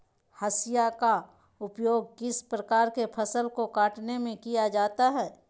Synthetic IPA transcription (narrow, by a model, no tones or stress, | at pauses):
hɐsɪjaka | ʊpjoːɡ̚kɪspɾəkaːɾkepʰəsəlkokaːʈnemẽkijad͡ʒaːt̪aɦɛː